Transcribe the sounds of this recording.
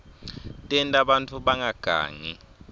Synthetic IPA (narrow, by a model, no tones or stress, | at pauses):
tʼɛntʼaɓantʰuɓaŋaɡ̥ʱa̰ːŋi